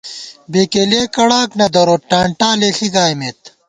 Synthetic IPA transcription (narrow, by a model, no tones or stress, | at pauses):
beːkeleːkɐɽaːknɐd̪ɐɾoːʈaːɳʈaːlexiɡaːjmeːt̪